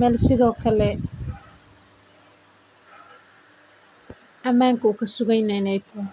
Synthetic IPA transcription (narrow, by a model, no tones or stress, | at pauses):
mɛːlsɪðɔːkʰɐlɛ | ʔɐmaːŋkʰɐuːkʰɐsʊɣɛjnɛnɛjt̪ʰɔ